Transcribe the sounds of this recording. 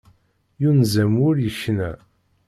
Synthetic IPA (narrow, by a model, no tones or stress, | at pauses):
junzæmʊɾjəçnæ